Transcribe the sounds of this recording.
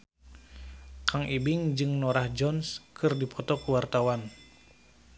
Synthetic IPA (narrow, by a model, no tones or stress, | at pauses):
kaŋʔibɪŋd͡ʒɨŋnoɾahd͡ʒɔnskʰɨrdipʰɔt̪ɔkuwart̪awan